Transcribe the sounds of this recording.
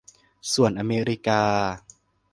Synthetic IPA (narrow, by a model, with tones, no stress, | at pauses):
su˨˩ənʔa˧meː˧ɾi˦˥kaː˧